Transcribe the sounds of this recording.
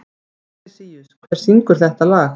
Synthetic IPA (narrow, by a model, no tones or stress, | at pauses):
siʏkʰvɛɾ̥siŋkʏɾ̥θɛht̪alaːx